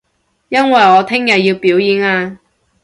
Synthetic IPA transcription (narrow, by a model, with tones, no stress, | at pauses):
jɐ˥nwɐ˨jɔː˨˧t̪ʰɪ˥ŋjɐ˨t̚jiː˧wpiː˨˥wjiː˨˧naː˧